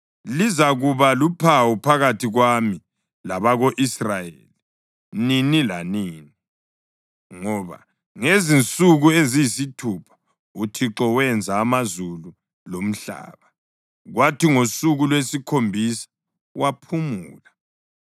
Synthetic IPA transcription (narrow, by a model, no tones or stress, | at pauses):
lizaɣuβalupʰawɔpʰaɣatʰiɣwami | laβaɣoʔisrajḛli | ninilaniːni | ŋɔβa̰ | ŋezint͡sʼuɣuezijisitʰupʰḁ | utʰiǁɔwɛnd͡zʱaːmazulu | lom̩ɬa̰ːβa | ɣwatiŋosuɣulwesikʰombʱisḁ | wapʰumuːla